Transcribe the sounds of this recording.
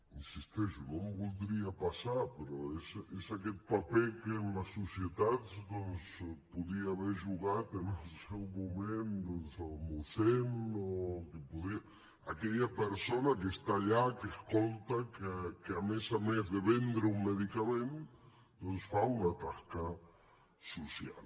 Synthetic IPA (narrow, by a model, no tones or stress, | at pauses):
insist̪eʃʊnõmbuld̪ɾiapasaɾpeɾoesesaket̪̚papɛkemasosjet̪ad̪sd̪ons | puðiaːβeɾʒuɣat̪enesewmomẽnd̪onsamuθennookepoðia | akeʎapeɾsonakest̪aʎakeskolt̪akkeamesamezðeβend̪ɾeuŋmeðikamẽnt̪ | d̪õnsfaunat̪aska | sosja̰l